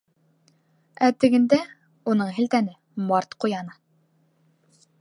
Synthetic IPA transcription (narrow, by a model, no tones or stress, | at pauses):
æt̪ɘ̆ɡɘ̆nd̪æ | unɤɴɦɘ̆lt̪ænɘ | mɑɾt̪qujɑnɤ